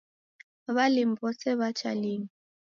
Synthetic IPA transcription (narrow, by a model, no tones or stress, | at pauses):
βalim̩bɔsɛβat͡ʃaliŋi